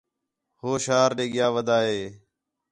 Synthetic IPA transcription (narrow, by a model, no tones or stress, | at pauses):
hoːʃaːɾɗeːɠɪjaːʋəd̪ʱaːɦeː